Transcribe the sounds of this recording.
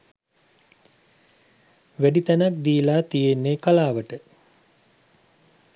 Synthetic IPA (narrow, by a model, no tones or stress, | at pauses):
ʋæɖit̪ænak̚d̪iːlaːt̪ijenːekalaːʋəʈə